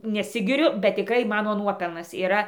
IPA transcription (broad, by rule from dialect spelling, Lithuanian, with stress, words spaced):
nʲɛˈsʲɪɡʲɪrʲʊ bʲɛt tʲɪˈkrɐɪ ˈmɑːnoː ˈnuɔpʲɛlˠnɐs iːˈrɐ